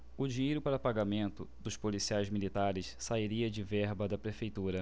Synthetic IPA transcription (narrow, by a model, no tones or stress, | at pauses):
ʊd͡ʒiejɾʊpaɾɐpaɡamẽnt̪ʊd̪ʊʃpolisiajzmilit̪aɾɪssaiɾiɐd͡ʒɪvɛhbɐd̪ɐpɾefejt̪uɾɐ